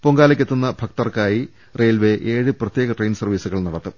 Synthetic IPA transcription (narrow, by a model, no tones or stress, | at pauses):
poŋɡaːlɐkʲːet̪ːunːɐbʱɐk̚t̪ɐrkaːji | reːlʋe̞ʔe̞ːɻɨprɐt̪jeːɣɐʈrejnsɐrʋiːsuɣɐɭnɐɽɐt̪ːɨ